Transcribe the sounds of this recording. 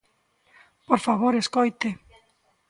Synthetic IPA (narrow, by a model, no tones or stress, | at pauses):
poɾfaβoɾeskojt̪e